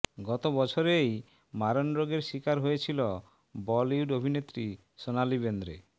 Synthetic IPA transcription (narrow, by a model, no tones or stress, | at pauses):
ɡɔt̪obɔt͡ʃʰoɾej | maɾɔnɾoɡeɾʃikaɾɦojet͡ɕʰilɔ | bɔliuɖobʱinet̪ɾi | sonalibend̪ɾḛ